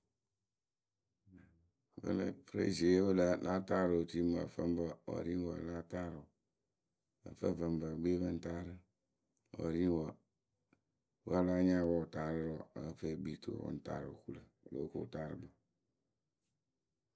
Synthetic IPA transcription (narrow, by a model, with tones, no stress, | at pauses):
bə̰˦lə˦fɾḛ˦˨zi˨e˦bə˦la˨la˦ta˦ɾo˨o˨ti˦ma̰˨fə̰˦m˦bə˨wɔ̰˨ɾi˦wɔ̰˨la˦ta˦ɾo˨ | ə̰˨fə˦˨fə˨m˦ba˨ɡ͡be˦bə˦n̩˦ta˦ɾə˦ | wɔ̰˨ɾi˦wɔ˨ | wa˦la˦ɲã˦wɔ˦˨ta˨ɾə˦ɾɔ˨ə˦fe˦bi˨˦t̪ʰo̰˨wɔ̰˦n̩˦ta̰˦ɾo̰˨ku˦lə˨lo̰˦ko˨ta˦ɾə˦bɔ˨